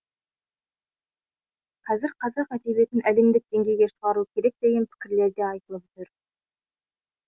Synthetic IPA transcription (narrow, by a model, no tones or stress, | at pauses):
qʰɑzɪɾqʰɑzɑqæt̪ebe̞t̪ɪnʔæle̞md̪ɪk̚d̪e̞ŋɡʲe̞jɡʲe̞ʃəʁɑɾuəkʲʰe̞ɾe̞k̚d̪̥e̞ɡʲe̞npʰɪ̥kʲɪɾle̞ɾd̪e̞ɑjt̪əlˠəpt̪ɪɾ